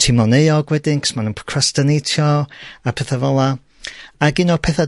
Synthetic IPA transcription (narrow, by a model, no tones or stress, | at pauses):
tʰɪmɔnejɔɡwɛdɪŋkʰɔ̥smanunkʰrastənejtʰjɔapʰɛθavɔlˠa | aɡɪnɔpʰɛθa